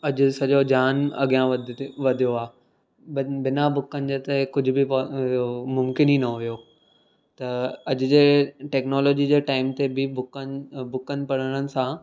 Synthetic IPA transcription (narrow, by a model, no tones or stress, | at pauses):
ɐʄʊ̆sɐʄod͡ʑaːnɐ̰ɠijãʋɐd̪ʋɐd̪ʱijoaː | bɪnabʊkənɪ̆d͡ʑeːt̪ekʊd͡ʑʱʊbɪpː | mʊmkɪninɐɦʊjo | t̪ɐɐd͡ʑʊ̆d͡ʑeːʈɛːknɔːloːd͡ʑid͡ʑeːʈaːɪmt̪ebɪbʊkəbʊkənɪ̆pɐɽ̤əɽ̃ənɪ̆sã